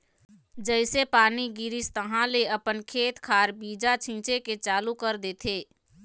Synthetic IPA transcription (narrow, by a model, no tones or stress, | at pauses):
d͡ʒəɪsepaːniɡɪɾɪst̪əɦãleɐpənkʰeːt̪kʰaːɾbiːd͡ʒat͡ʃʰĩːt͡ʃeket͡ʃaːlukəɾd̪eːt̪ʰeː